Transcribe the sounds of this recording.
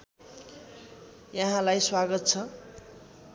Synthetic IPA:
jaɦãlajswaɡʌt̪̚t͡sʰʌ

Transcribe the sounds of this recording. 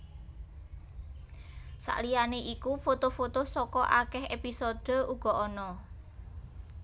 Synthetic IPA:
sa̰ʔlijaneʔikufot̪ofot̪osɔkɔʔakɛɦepisod̪̥ə̤uɡ̥ɔ̤ʔɔnɔ

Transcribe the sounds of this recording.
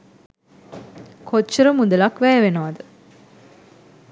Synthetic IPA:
kot͡ʃːəɾəmud̪ɐlɐkʋæːʋenoʋɐd̪ə

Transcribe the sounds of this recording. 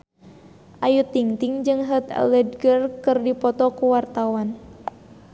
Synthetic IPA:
ʔajut̪ːiŋt̪iŋd͡ʒɨŋɦət̪ɛ̰ləd̚ɡərkɨrdipɔt̪ɔkuwart̪awan

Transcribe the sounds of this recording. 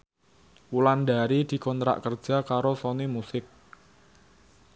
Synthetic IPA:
wulandaɾid̪̥i̤kɔnt̪ɾa̰ʔkər̥ʒ̥a̤kaɾosonimusɪk̚

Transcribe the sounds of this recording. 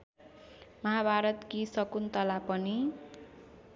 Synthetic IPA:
mʌɦabʱaɾʌt̪kisʌkunt̪ʌlapʌni

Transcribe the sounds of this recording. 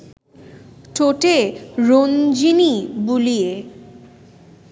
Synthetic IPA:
ʈʰoʈeɾond͡ʑinibulije

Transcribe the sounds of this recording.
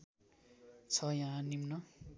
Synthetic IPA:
t͡sʰʌjãɦãnimnʌ

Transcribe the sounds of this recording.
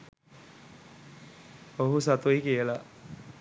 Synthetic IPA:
oɦusat̪uikijəla

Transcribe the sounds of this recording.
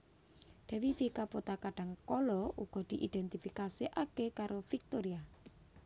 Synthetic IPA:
ɖ̪̥ɛ̤wifikapot̪akaɖ̥a̤ŋkɔlɔʔuɡ̥ɔ̤d̪̥iʔid̪̥ɛnt̪ifikasiʔakekaɾʔofik̚t̪oɾia

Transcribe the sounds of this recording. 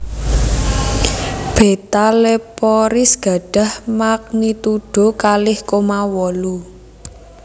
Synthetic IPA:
b̥e̤t̪alepɔɾɪsɡ̥ä̤ɖ̥a̤hmak̚nit̪uɖ̥o̤kalɪhkomawɔlu

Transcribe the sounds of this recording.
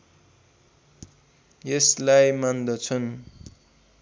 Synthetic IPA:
jeslajmand̪ʌt͡sʰʌn

